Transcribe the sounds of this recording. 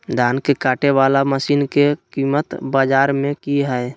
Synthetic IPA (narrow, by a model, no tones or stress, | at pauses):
d̪ʱaːnkekaːʈeʋaːlaməsiːnkekimət̪baːd͡ʒaːɾmẽkiɦɛe